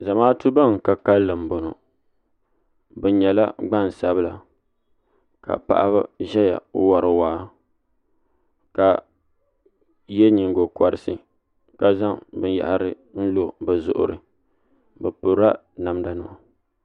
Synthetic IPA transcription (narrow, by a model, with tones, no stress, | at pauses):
za˨maː˦tu˦ba˦˨ŋ˨ka˨ka˦lːɨ˨m̩˨bo˨no˨ | bɨ˨˦ɲɛ˨la˦ɡ͡ba˦˨n˨sa˦bɨ˦la˨ | ka̰˨pa̰˨ʔa˦ba˦ʒɛ˦ja̰˨˦wa˨ɾɨ˨waː˦ | ka˨ | jɛ˦ɲi˨ŋɡo˨ka˨ɾɨ˨sɨ˨ | ka˦za˦ŋbɨ˦nja̰˨ʔa˨ɾɨ˦ | n̩˦lo˨bɛ˨zʊ̰˨ʔʊ̰˨ɾɨ̰˨ | bɛ˨pʊ˨ɾa˦ | na˨mda˨nɨ˦ma˨